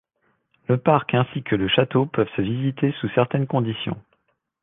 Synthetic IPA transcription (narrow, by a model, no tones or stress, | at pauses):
ləpaʁkɛ̃sikʰələʃat̪opœvsəvizit̪esusɛʁt̪ɛnkɔ̃d̪isjɔ̰̃